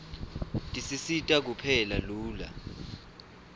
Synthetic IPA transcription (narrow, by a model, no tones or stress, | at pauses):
tʼisisitʼak̬upʰɛlaluːla̰